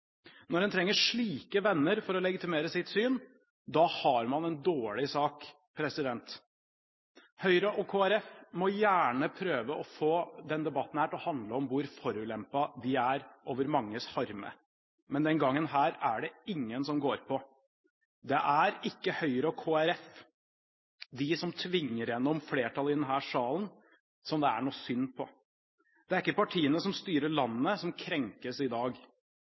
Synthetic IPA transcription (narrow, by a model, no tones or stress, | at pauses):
nɔɖɛnt̪ʰɾɛŋːəʂɭiːkəʋɛnːəɾfɔɾɔlɛɡɪt̪ɪmeːɾəsɪt̪syːn | d̪ɑhɑɾmɑnɛnd̪oːɭɪsɑːk | pʰɾɛsɪd̪ɛnt̪ | hœʏɾəʔɔkʰoːæɾɛfmɔjæːɳəpʰɾøːʋəʔɔfoːd̪ɛnd̪ɛbɑt̪ːn̩hæːʈɔhɑnd̪ləɔmʋʊɾfɔɾʉːlɛmpɑd̪ɪæɾʔoːʋəɾmɑŋːəshɑɾmə̰ | mɛnd̪ɛnɡɑŋːənɦæːɾæɖɛɪŋːənsɔmɡoːɾpʰɔ | d̪ɛʔæɾɪkːəhœʏɾəɔkʰoːæɾɛf | d̪ɪsɔmt̪ʰʋɪŋːəɾjɛnːɔmfleːʈʰɑlɪd̪ɛnɦæːʂɑːlən | sɔmd̪ɛæ̰ɳuːsʏnːpʰɔ | d̪̥ɛæɾɪkːəpɑʈʰiːənəsɔmst̪yːɾəɭɑnːəsɔmkʰɾɛŋkəsɪd̪ɑːɡ